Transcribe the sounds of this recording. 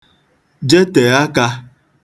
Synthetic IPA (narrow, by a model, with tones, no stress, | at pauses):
d͡ʒe˦te˨a˦ka˦